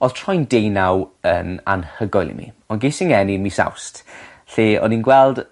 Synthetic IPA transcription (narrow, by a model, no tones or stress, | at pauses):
ɔðtʰrɔjndejnawəna̰nhəɡɔjlˠḭmḭɔnɡejsɪŋɛninmisa̰wst | ɬeːɔ̰ninɡwɛlˠd̥